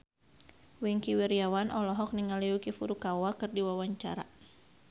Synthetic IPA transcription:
wiŋkiwiɾiawanʔɔlɔɦɔk̚niŋaliukifuɾukawakɨrdiwawaɲt͡ʃa̰ɾa̰

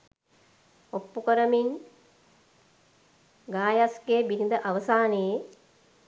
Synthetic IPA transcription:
opːukəɾəmin | ɡaːjaskeːbinid̪əʔaʋəsaːnəje

